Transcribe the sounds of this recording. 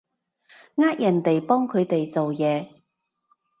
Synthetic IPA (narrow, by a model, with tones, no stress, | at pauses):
ŋaː˥k̚jɐ˨˩nt̪e˨˩jpɔː˥ŋkʰɵ˨˧ɥt̪e˨jt͡so˨wjɛː˨˧